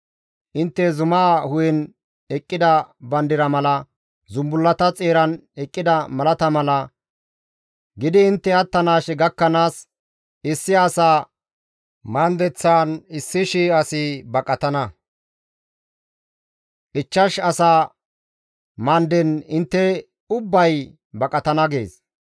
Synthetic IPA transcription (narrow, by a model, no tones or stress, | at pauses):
ʔɪnt̪ːɛzʊmaːhʊjɛn | ɛkʼːɪd̪ɐbɐnd̪ɪɾɐmɐlɐ | zʊmbʊlːɐt̪ɐt͡sʼeːɾɐnɛkʼːɪd̪ɐmɐlɐt̪ɐmɐlɐ | ɡɪd̪ɪːnt̪ːɛɐt̪ːɐnaːʃɛɡɐkːɐnaːs | ɪsːɪasaː | mɐnd̪ɛt͡sːaːnɪsːɪʃiːɐsɪbɐkʼɐt̪ɐnɐ | ʔɪt͡ʃːɐʃɐsaː | mɐnd̪ɛnɪnt̪ːɛ | ʊbːɐj | bɐkʼɐt̪ɐnɐɡḛːs